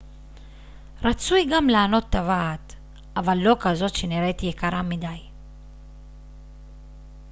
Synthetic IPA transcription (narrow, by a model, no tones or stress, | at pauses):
ɾat͡sujɡamlaːno̞t̪ːavaːt̪ | avalːo̞kazo̞tʃeniɾet̪ijekaɾamidaj